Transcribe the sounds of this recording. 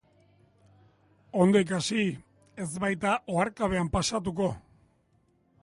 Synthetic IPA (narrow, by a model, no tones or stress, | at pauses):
o̞nd̪o̞ik̬asi | e̞zβajt̪aʔo̞aɾkaβ̞e̞ampasat̪̬uko̞